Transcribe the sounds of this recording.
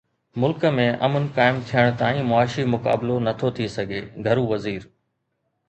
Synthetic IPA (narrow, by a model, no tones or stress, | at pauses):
mʊlkəmẽʔɐ̰mənkaːɪmt̪ʰijəɽ̃t̪aːĩmʊaːʃimʊka̰ːblonɐt̪ʰot̪ʰisɐɡʱeːɡʱɐɾũʋɐziːɾ